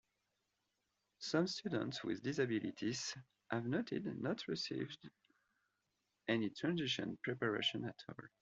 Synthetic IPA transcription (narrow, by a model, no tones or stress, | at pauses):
sʌ̃mstʰudə̰̃ntswɪ̰ðdizabilḭt̪ʰiz̥ | hævnotʰɪ̰dnɔtʰɹisḭvd | ʔɛnitʰɹæ̃nziʃɔ̰̃npʰɹɛpaɹḛʃɔ̃natʰɔ̰l